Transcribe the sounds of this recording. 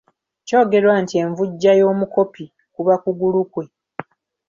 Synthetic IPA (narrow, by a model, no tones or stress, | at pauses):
co̞ːɡe̞ɾwaːntie̞ɱvuɟːajo̞ːmuko̞pi | kuβakuɡulukwe̞